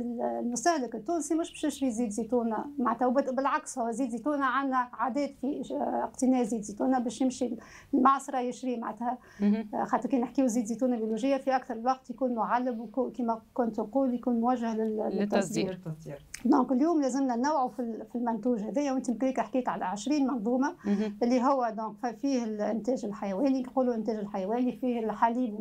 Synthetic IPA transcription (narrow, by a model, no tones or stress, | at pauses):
ɪllmʊst̪æhlɪkɪt̪ːuːnsimʊʃbʃɪʃɾiːziːd̪zit̪uːnamaʕnət̪hæwbbɪlʕakshʊwːæziːd̪zit̪uːnaʕanːæʕaːd̪ɛːt̪fiəqt̪ɪnɛːziːd̪zit̪uːnabɛːʃjɪmʃi | lmɑʕsˤɾˤɑjɪʃɾiːmaʕət̪hæ | xɑt̪ːɾkiːnəħkiwuziːd̪zit̪uːnabjoluʒɪjːafiʔækθɑɾˤlwɑqt̪jkuːnmʊʕalːɪbwkkiːmækʊnt̪nquːljkuːnmʊwæʒːəhlɪlɪt̪ːɑsˤd̪iːɾ | d̪õːkɪljuːmlæːzɪmnænːawʕufilfilmʊnt̪uːʒhæðɛːjæwʔɪnt̪imkliːkʔəħkiːk̪ʕalæʕɪʃɾiːnmɑnðˤuːmaʔɪlːiɦʊwːæd̪ɔ̃ːkffiːhɪlʔɪnt̪ɛːʒɪlħajæwɛːniquːluʔɪnt̪ɛːʒɪlħajæwɛːnifiːhɪlħaliːb